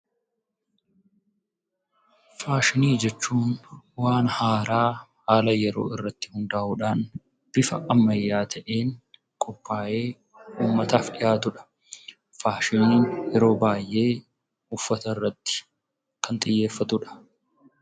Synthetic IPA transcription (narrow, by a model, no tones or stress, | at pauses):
faːʃɪniːd͡ʒɛt͡ʃːuːnwaːnhaːɾaːhaːlɐjɛɾo̞̰ːɪrːɐt̪ːɪ̥hʊnd̪ɐʔuᶑaːn | b̥ɪfɐʔɐmːɐjːaːt̪ʰɐʔeːn | kʼɔpʰːaːʔe̞ː | uːmːɐt̪aːfᶑɪjaːt̪ʊᶑɐ̥ | faːʃɪniːnjɛɾo̞ːbaːjːʔe̞ː | ʊfːɐt̪ɐɪrːɐt̪ːɪ̥ | kʰɐnt̪ʼɪjːe̞ːfːɐt̪ʊᶑɐ̥